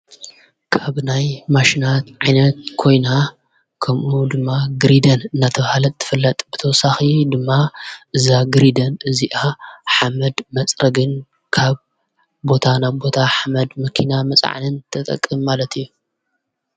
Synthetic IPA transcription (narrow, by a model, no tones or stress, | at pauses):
kʰaβnajmaʃinat̪ʕajnɐt̪̚kʰo̞jna | kʰɐmʔud̪ɨmːaɡɾid̪ɐnɨnːat̪ʰɐβhalɐt̪ʰːɨ̥fɨlːɐt̪ʼb̥ɨt̪ʰɐwɔsaxid̪ɨmːaʔɨzaɡɨɾid̪ɐnɨziʔaħamɐd̪mɐt͡sʼɾɐɡɨn | kʰaβ | bo̞t̪ʰanabo̞t̪ʰaħamɐd̪mɐkʰinamɐt͡sʼʕa̰nɨnt̪ʰɐt̪ʼɐ̰kʼːɨmːalɐt̪ʰijːu